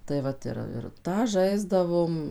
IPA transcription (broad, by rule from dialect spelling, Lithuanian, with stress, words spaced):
tɐɪ ˈʋɐt ɪr ɪr ˈtɑː ˈʒɐɪzdɐʋoːm